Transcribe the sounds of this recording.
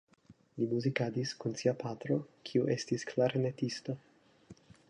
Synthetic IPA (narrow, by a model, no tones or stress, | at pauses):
limuzikad̪iskunsiapat̪ɾokʰiuʔe̞st̪isklaɾnet̪ist̪o